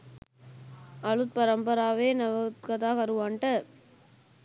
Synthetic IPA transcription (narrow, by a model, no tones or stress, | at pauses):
ɐɻɯt̪̚pɐɾɐmbɐɾaːʋeːnɐʋɐkɐðaːɣɐɾɯʋaːɳʈɐ